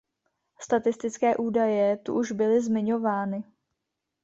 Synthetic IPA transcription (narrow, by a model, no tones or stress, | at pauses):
st̪at̪ɪst̪ɪt͡skɛːʔuːdajɛt̪ṵʔuʒbɪlɪzmɪɲo̞vaːnɪ